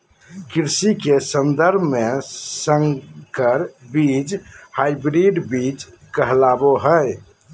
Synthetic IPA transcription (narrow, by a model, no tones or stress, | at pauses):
kiɾsikesənd̪əɾbʱmesəŋkəɾbid͡ʒhajbɾiɖbid͡ʒ | kəɦlaboɦəj